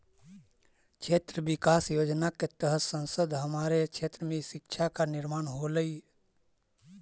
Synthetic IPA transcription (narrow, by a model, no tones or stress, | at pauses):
t͡ʃʰet̪ɾəbikaːsjoːd͡ʒnaket̪əɦət̪sə̃nsəd̪ɦəmaɾet͡ʃʰet̪ɾəmẽsɪkt͡ʃʰakanɪɾmaːnɦoləi